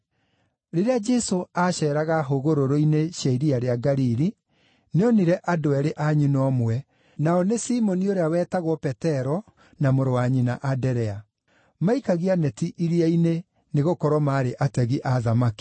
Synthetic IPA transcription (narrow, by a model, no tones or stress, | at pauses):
ɾeɾead͡ʒɛsoaɕɛːɾaɣaɦoɣoɾoɾoineʃaiɾiaɾeaɡaɾiɾi | neɔniɾɛʔadoɛɾeʔaɲunɔmwɛ | naɔnesimɔnioɾeawɛːtaɣwɔpɛtɛɾɔ | namoɾowaɲinaʔadɛɾɛa | maikaɣianɛtiʔiɾiaine | neɣokɔɾwɔmaːɾeʔatɛɣiʔaðamaki̥